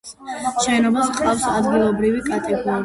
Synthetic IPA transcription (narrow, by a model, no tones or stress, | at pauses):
ʃɛnɔbasqʼafsad̪ɡilˠɔbɾivikʼat̪ʼɛɡɔɾi